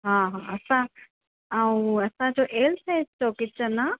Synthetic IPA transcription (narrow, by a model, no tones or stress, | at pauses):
ɦãːɦãɐsã | aũɐsãd͡ʑoːʔeːlseːst̪okɪt͡ɕəna